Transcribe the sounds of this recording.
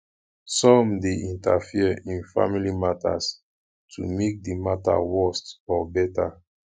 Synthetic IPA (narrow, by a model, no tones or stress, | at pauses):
sɔ̃mdeʔĩntafiəĩnfa̰milimata̰s | tʰṵmek̚dimata̰wɜstɔbɛta